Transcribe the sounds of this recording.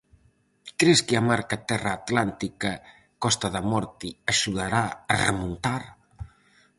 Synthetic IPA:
kɾeskeamaɾkat̪ɛraːt̪lant̪ika | kɔst̪ɐðamɔɾt̪iaʃuðaɾaɐrḛmunt̪aɾ

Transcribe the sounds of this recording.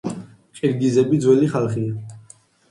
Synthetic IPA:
qʼiɾɡizɛbid̪zwɛliχalˠχia

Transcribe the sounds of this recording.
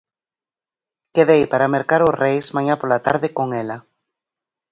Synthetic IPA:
keðejpaɾameɾkaɾʊsrejsmaɲapolat̪a̰ɾðɪkoŋɛla

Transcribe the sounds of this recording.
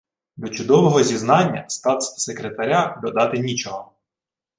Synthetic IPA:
d̪ɔt͡ʃʊd̪ɔʋɔɦɔzʲiznɑnʲːɐst̪ɑt̪ssekɾet̪ɐɾʲad̪ɔd̪ɑt̪ɪnʲit͡ʃɔɦɔ

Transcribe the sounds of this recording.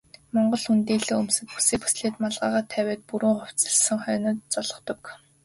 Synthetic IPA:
mɔɴɢɞ̆ɮxunt̪eːɮeːɵmsɘ̆t̪̚pu̥seːkpu̥sɮeːt̪maɮʁaːʁaːt̪ʰæwʲæːt̪̚puɾŭːŋɔw̥t͡sə̆ɮsə̆ŋχœːnə̆t̪t͡sɔɮɞ̆t̪ɞ̆k

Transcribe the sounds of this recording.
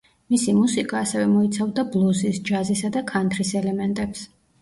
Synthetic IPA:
misimusikʼaːsɛvɛmɔit̪sʰavd̪ablˠuzisd͡ʒazisad̪akʰant̪ʰɾisɛlɛmɛnt̪ʼɛps

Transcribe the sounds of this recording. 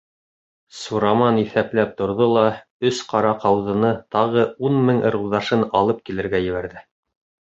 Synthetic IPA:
suɾɑmɑniθæplæp̚t̪ŏɾðolˠɑ | ɵsqɑɾɑqɑwðɤ̆nɤt̪ɑʁɤunmɘŋɤ̆ɾuðɑʃɤnɑlˠɤp̚kilɘ̆ɾɡæjɘ̆βæɾðɘ

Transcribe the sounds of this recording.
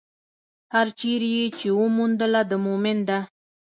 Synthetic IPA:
haɾt͡ʃiɾjet͡ʃewəmund̪əlad̪əmomɪnd̪a

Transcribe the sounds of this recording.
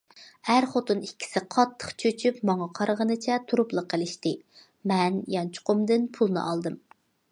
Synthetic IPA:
hæɾχot̪unikʲːʰi̥sɪqʰɑt̪ʰːə̥χt͡ʃʰøt͡ʃʰypmɑŋɑqʰɑɾʁənɨt͡ʃʰɛt̪ʰuɾuplˠəqʰːəlˠɪʃt̪ɨ | mɛnjɑnt͡ʃʰʊ̥qʊmd̪ɨnpʰulˠnɨ̰ʔɑlˠd̪ɨm

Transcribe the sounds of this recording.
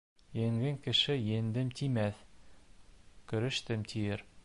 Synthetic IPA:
jeŋɡɘŋkɘ̆ʃɘjĕnd̪ɘmt̪ʰimæθ | kɵ̆ɾɘ̆ʃt̪ɘmt̪ʰijɘɾ

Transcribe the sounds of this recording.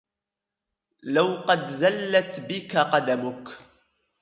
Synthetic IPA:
lawqɑd̪zalːat̪bɪkaqɑd̪amʊk

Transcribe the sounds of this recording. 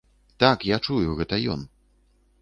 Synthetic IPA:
t̪akjat͡ʂujuɣɛt̪ɐjɔ̰n

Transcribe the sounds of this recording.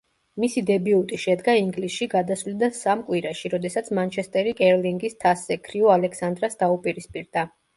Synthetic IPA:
misid̪ɛbiut̪ʼiʃɛd̪ɡaiŋɡlisʃiɡad̪asvlid̪asamkʼwiɾaʃiɾɔd̪ɛsat̪sʰmant͡ʃʰɛst̪ʼɛɾikʼɛɾliŋɡist̪ʰasːɛkʰɾiɔalɛkʰsand̪ɾasd̪aupʼiɾispʼiɾd̪a

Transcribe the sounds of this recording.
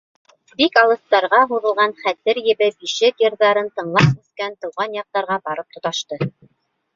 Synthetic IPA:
bikɑlˠɤ̆st̪ɑɾʁɑɦuðɤ̆lˠʁɑnχæt̪ɘɾjɘ̆βɘbiʃɘt̪jɤ̆ɾðɑɾɤnt̪ɤ̆ɴlˠɑp̚mɵ̆skænt̪ɤ̆wʁɑnjɑq̚t̪ɑɾʁɑbɑɾɤp̚t̪ŏt̪ɑʃt̪ɤ

